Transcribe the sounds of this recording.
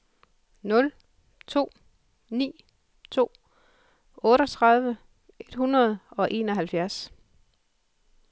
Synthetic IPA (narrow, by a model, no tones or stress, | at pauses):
nɔ̽l | t͡sʰo̝̰ː | nḭː | t͡sʰo̝̰ː | ɔ̽ːɾɒ̽t͡sʰʁɑ̈ð̞ˠʋə | e̝d̥hunʁɐð̞ˠɒ̽ʔe̝ːnɒ̽ɦælfjæɐs